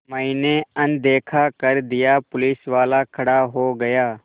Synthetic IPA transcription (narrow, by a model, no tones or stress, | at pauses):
mə̃ineɐnd̪eːkʰakɐɾd̪ɪjaːpʊlɪsʋaːlakʰɐɽaɦoːɡɐjaː